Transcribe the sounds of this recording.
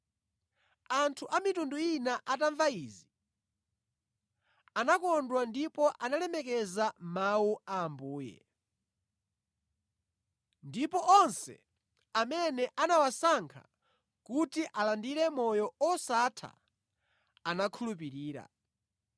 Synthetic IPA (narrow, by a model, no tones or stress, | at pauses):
antʰuʔamitunduinaʔataɱvaizi | anakɔndwandipɔʔanalɛmɛkɛzamawuaːmbuːjɛ̰ | ndipɔʔɔnsɛ̰ | amɛnɛʔanawasaŋkʰa̰ | kutiʔalandiɾɛmɔjɔɔsatʰa̰ | anakʰulupiɾiːɾa̰